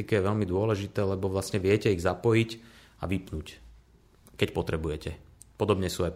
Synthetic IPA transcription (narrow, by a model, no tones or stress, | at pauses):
ikɛjɛʋɛlmid̪ʊɔlɛʒit̪ɛːlɛbɔʋlasɲɛʋɪɛcɛiɣzapɔjic | a̰ʋipnuc | kɛcpɔt̪ɾɛbujɛcɛ | pɔd̪ɔbɲɛsuaj